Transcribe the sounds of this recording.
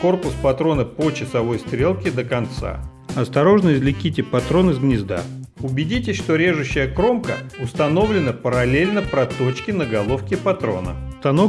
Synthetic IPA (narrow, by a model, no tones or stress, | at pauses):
ko̞rpʊspɐt̪ɾo̞nəpot͡ɕɪsɐvo̞jst̪ɾʲe̞lˠkʲɪd̪əkɐnt̪sa̰ | ɐst̪ɐɾo̞ʐnəsʲzlʲɪkʲitʲɪpɐt̪ɾo̞nɨzɡnʲɪzd̪a̰ʊbʲɪdʲitʲɪʂt̪oɾʲe̞ʐʊɕːɪjəkɾo̞mkə̰ʊst̪ɐno̞vlʲɪnəpəɾɐlʲelʲnəpɾɐt̪o̞t͡ɕkʲɪnəɡɐlˠo̞fkʲɪpɐt̪ɾo̞̰nə̰st̪ɐno